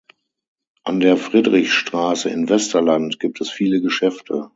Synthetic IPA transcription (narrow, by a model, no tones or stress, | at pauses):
ʔandeːɐfʁ̥iːdʁɪçʃtʁ̥aːsəɪnvɛstɐlantɡ̥iːp̚tʰɛsfiːləɡəʃɛftʰə